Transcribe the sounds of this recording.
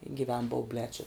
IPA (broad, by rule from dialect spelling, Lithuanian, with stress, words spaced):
ɡʲɪˈʋʲɛn bɐʊˈbʲlʲɛː t͡ʃʲɪ